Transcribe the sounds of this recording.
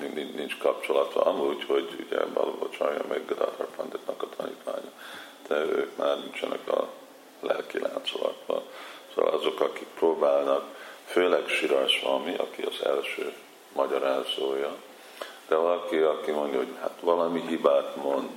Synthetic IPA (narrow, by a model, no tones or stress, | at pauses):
ininint͡ʃkɒp̚t͡ʃo̞lɒt̪ɒmuːɟho̞ɟuɟɛ̰bɒlbot͡ʃɒːjɒmʔɛɡd̪ɒ̰t̪rɒpɒnd̪it̪nɒkɒt̪ʰɒnḭːt̪ʋa̰ːɲɒd̪̥ɛøːkmaːrnint͡ʃɛnɛkɒ | lɛlkilʔa̰ːnt̪solɒkʋɒ̰lsoːʋɒ̰lʔɒzo̞kɒkik̚proːbaːlnɒkføːlɛɡʃiɾɒʃʋɒmiʔɒkiɒzɛlʃøː | mɒɟɒɾaːzoːjɒ | d̪̥ɛvɒlɒkiɒkimo̞ndjɒɦo̞ɟhat̪ʋɒlɒmiɦibaːt̪mo̞nd̪